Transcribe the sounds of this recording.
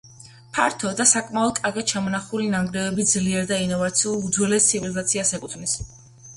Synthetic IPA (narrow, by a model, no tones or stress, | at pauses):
pʰa̰ɾt̪ʰɔd̪asakʼmaɔd̪̚kʼaɾɡat̪̚t͡ʃʰamɔnaχulinaŋɡɾɛvɛbid̪zliɛɾd̪ainɔvat̪sʰiulˠud̪zwɛlɛst̪sʰivilizat̪sʰiasɛkʼut̪ʰnis